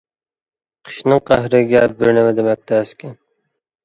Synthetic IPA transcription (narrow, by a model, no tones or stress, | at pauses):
qʰə̥ʃnɨŋqʰæɦɾɪɡʲɛbɪɾnɪmɛd̪emɛk̚ʲt̪ʰæːskʲʰɛn